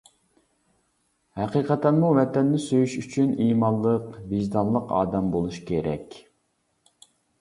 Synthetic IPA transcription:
hɛqiːqʰɛt̪ʰɛnmumɛt̪ʰɛnːɪsøjyʃyt͡ʃʰyniːmɑnlˠːəqviʒd̪ɑnlˠːəqɑ̰ːd̪ɛmbolˠuʃkʲeɾʔɛ̰kʲ

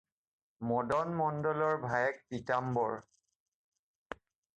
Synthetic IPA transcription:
mɔdɔnmɔndɔlɔɹbʱajɛk̚pitambɔɹ

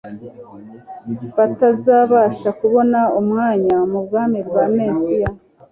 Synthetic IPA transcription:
βatazaːβaːʃakuβo̞naumŋaːɲamub̚ɡaːmibɡaːmeːsija

